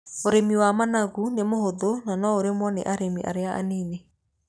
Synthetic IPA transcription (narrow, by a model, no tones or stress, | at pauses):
oɾemiwamanaɣunemoɦoðonanɔoɾemwɔnḛʔaɾemiʔa̰ɾeaʔa̰neːne